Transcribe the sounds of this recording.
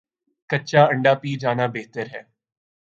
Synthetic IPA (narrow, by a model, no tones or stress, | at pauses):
kɐːt͡ʃaɐ̃ɳɖapiːd͡ʒaːnabeːɦt̪əɾɦɛː